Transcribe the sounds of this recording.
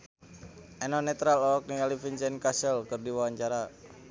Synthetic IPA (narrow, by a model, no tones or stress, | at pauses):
ʔɛnɔnɛt̪ɾalɔɔk̚niŋalifint͡ʃɛnkasəlkɨrdiwawaɲt͡ʃaɾa